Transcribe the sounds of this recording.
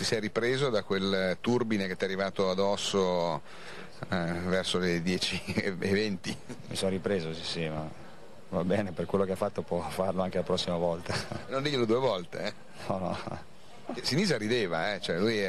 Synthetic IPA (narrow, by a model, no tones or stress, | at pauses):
t̪isɛjripɾeːzod̪akwelt̪urbinek̟et̪ːɛarːivaːt̪oad̪ɔsːo | vɛrsoled̪jɛːt͡ʃievɛnt̪imisonɾipɾeːzosisima | vabɛːneperkwelːokeafat̪ːopwɔfarloaŋkealapɾɔsːimavɔlt̪anõnd̪iʎːelod̪uːevɔlt̪e | nɔnɔ̰ | esiniːzaɾid̪eːvaɛt͡ʃoɛluj